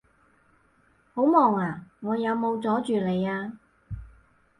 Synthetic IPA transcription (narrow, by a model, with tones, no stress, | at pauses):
ho˨˥wmɔː˨˩ŋaː˨˩ŋɔː˨˧jɐ˨˧wmo˨˧wt͡sɔː˨˥t͡ʃyː˨le˨˧jaː˧